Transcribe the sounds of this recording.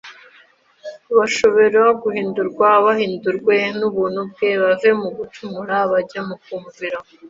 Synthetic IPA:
βaʃo̞βe̞ɾaɡuhiːnduɾɡwaβahiːnduɾɡwe̞nuβuːnub̚ɡe̞βave̞muɡutumuɾaβaɟamukuːɱviɾa

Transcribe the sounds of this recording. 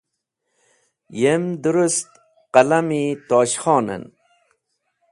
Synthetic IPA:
jemd̪uɾust̪ | qalamit̪oːɕχɔːnḛn

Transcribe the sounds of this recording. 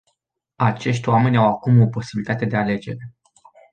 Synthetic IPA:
at͡ʃe̞ʃ̬t̪ʲoame̞nʲawakumo̞po̞sibilʲit̪at̪e̞d̪e̞ale̞d͡ʒe̞ɾe

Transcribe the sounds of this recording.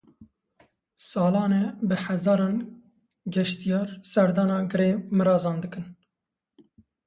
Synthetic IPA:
sɑːlɑːnebɨħɛzɑːɾɑːn | ɡɛʃt̪ijɑːɾsɛɾd̪ɑːnɑːɡɨɾeːmɨɾɑːzɑːnd̪ɨkɨn

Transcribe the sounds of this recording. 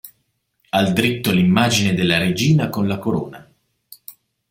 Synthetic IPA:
ald̪ɾit̪ːolimːaːd͡ʒined̪elːaɾed͡ʒiːnakonlakoɾo̰ːna

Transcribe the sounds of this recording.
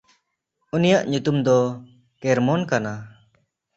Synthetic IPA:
unijaʔɲut̪umd̪ɔ | kɛɾmɔnkana

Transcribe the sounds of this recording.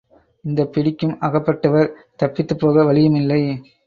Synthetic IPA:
ɪnd̪ɐpːɪɽɪkːɯmɐɣɐpːɐʈːɐʋɐɾt̪ɐpːɪt̪ːɯpːoːɣɐʋɐɻɪjɐmɪlːɐɪ

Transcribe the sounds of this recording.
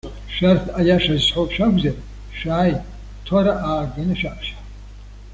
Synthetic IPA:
ʃartʰajaʂazsħʷopʃᶣaɡʷzar | ʃaːj | tʰwaɾaʔaːɡanɨʃaʔʃa

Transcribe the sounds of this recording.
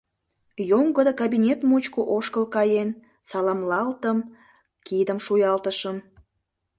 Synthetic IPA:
joŋɡəd̪əkɑbinʲet̪mut͡ɕkoʔoʃkəlkɑjen | sɑlɑmlɑlt̪əm | kid̪əmʃujɑlt̪əʃəm

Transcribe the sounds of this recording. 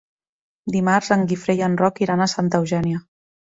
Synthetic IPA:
d̪imaɾzəŋɡifɾejənrɔkiɾanəsant̪əwʒɛnjə

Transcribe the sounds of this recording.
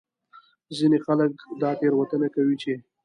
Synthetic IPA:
zinexaləkd̪ɑt̪eɾwat̪ənakawit͡ʃe

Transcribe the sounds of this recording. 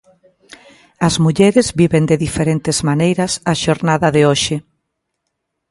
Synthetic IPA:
ɐzmuʎɛɾɪzbiβend̪eðifeɾent̪ɪz̥manejɾɐsaʃoɾnaðɐðeoʃɪ

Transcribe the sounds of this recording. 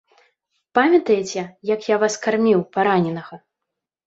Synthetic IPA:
pamʲɐt̪ɐjɛt͡sʲɛjɐkjavaskarmʲiwpaɾanʲɛnɐɣɐ

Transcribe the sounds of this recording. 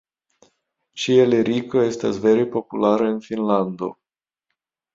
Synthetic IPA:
t͡ʃieleɾikoe̞st̪asve̞ɾepo̞pulaɾeɨnfinland̪o̞̰

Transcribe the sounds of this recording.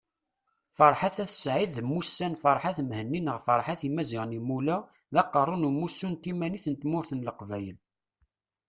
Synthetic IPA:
fəɾˤħaθæθə̥sʕiðmːusːænfəɾˤħaθmhənːinəʁfəɾˤħaθimæziʁənimulæ | ðɑqːərˤːʊnumːusːunt̪imæniθənt̪mʊɾθənləqvæjən

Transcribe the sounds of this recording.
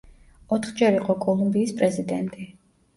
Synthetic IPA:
ɔt̪ʰχd͡ʒɛɾiqʼɔkʼɔlˠumbiːspʼɾɛzid̪ɛnt̪ʼi

